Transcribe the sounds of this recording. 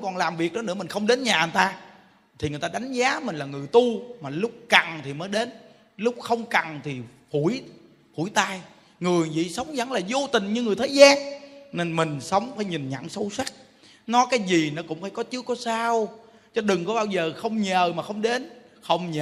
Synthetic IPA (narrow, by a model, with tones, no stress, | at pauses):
ŋ͡mkɔ˨˩nlaː˨˩mvi˨˩ək̚ɗɔ˨˦nɨ̰˧˥mï˨˩ŋxə˧wŋ͡mɗe˨˦nɲaː˨˩ə˨˦nt̪aː˧ | t̪ʰi˨˩ŋɨ˨˩ət̪aː˧ɗ̪a˨˦jŋ̟zaː˨˦mï˨˩ŋ̟laː˨˩ŋɨ˨˩əjt̪u˧maː˨˩lʊ˦˥k͡p̚ka˨˩ŋt̪ʰi˨˩məː˨˦jɗe˨˦n | lʊ˦˥k͡p̚xə˧wŋ͡mka˨˩ŋt̪ʰi˨˩ | fu˧˩əj | fu˧˩jt̪aː˧j | ŋɨ˨˩əjvḭ˧˨sə˨˦wŋ͡mzə̰˧˥ŋlaː˨˩zo˧t̪ï˨˩ŋ̟ɲɨ˧ŋɨ˨˩əjt̪ʰəː˨˦jzaː˧nne˧nmï˨˩ŋ̟sə˨˦wŋ͡mfaː˧˩jɲï˨˩ŋɲa̰˧˩ŋsə˧wswa˦˥k̚ | nɔ˨˦kaː˨˦jzi˨˩nɔ˨˦kʊ̰˧˥ŋ͡mfaː˧˩jkɔ˨˦t͡ɕɨ˦əkːɔ˨˦saː˧w | t͡ɕɔ˨˦ɗɨ˨˩ŋkɔ˨˦ɓaː˧wzəː˨˩xə˧wŋ͡mɲəː˨˩maː˨˩xə˧wŋ͡mɗe˨˦n | xə˧wŋ͡mɲː˨˩